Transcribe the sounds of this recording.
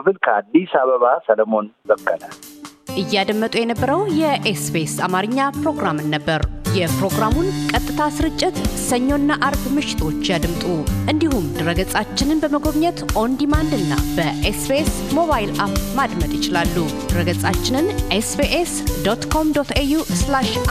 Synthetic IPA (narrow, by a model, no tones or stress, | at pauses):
bɨlkʰəad̪isaβəβasələmo̞nbəkʼːəlalʔɨjːad̪əmːət̪ʼujɛnəbːəɾəwjɛʔesbesamaɾɨɲːapɾo̞ɡɾamɨnːəbːəɾjɛpɾo̞ɡɾamunkʼət̪ʼːɨt̪ʰasɨɾɨt͡ʃʼːɪt̪səɲːo̞nːaʔaɾbmɨʃɪ̥t̪ʰo̞t͡ʃːjad̪ɨmt̪ʼuʔɨnd̪ihumd̪ɨɾəɡət͡sʼat͡ʃːɪnɨnbəməɡo̞βɲɛt̪ʔo̞nd̪imand̪ɨnːa̰bəʔesbes | mo̞βajilʔapmad̪mət̪ʼjɪt͡ʃɪlalːud̪̥ɨɾəɡət͡sʼat͡ʃːɪnɨnʔesbeʔesd̪ot̪kʰo̞md̪ot̪ʰejuslaʃ